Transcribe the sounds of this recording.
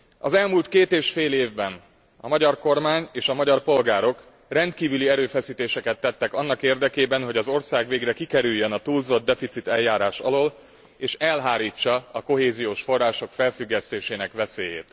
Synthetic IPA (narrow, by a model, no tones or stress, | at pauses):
ɒ̰zɛlmuːlt̪keːt̪eːʃfeːleːvbɛn | ɒmɒɟɒrko̞rmaːɲeːʃɒmɒɟɒrpo̞lɡaːɾo̞k | rɛnt̪kiːvyliɛɾøːfɛsiːt̪eːʃɛkɛt̪ːɛt̪ːɛkɒnːɒkeːrd̪ɛkeːbɛnɦo̞ɟɒzo̞rsaːɡʋeːɡrɛkikɛɾyjːønɒt̪uːlzo̞d̪d̪ːɛfit̪sit̪ɛjːaːɾaːʃɒ̰loːl | eːʃɛlɦaːɾiːt͡ʃːɒɒko̞ɦeːzijoːʃfo̞rːaːʃo̞kfɛlfyɡːɛst̪eːʃeːnɛkʋɛseːjḛːt̪